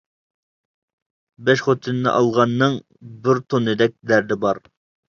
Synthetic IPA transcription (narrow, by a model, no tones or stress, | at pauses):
bɛʃχot̪ʰɨnnɨ̰ʔɑlˠʁɑnːɨŋ | bɪɾt̪ʰonɨd̪ɛk̚ʲd̪æɾd̪ɪbɑɾ